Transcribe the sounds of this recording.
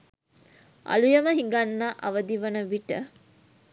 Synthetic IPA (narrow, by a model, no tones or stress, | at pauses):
a̰lujəməɦiŋɡanːaʔɐʋəd̪iʋənəʋiʈə̰